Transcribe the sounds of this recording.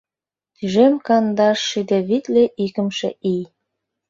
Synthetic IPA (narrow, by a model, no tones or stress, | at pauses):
t̪yʒemkɑnd̪ɑʃːid̪eβit̪leʔikə̆mʃḛʔij